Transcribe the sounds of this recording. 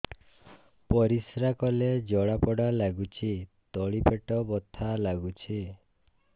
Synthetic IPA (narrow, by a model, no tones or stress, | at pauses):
pɔɾisɾakɔled͡ʒɔɭapɔɽalaɡut͡ʃʰit̪ɔɭipeʈɔbɔt̪ʰalaɡut͡ʃʰi